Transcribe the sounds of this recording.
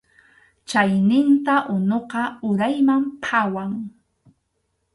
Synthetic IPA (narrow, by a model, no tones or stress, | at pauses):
t͡ʃajnɪnt̪aʔʊnoqɑʊɾajmampʰawaŋ